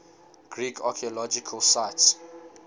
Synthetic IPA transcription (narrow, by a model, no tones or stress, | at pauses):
ɡ̥ɹikʰakʰiɔlɔd͡ʒikʰəlsaɪts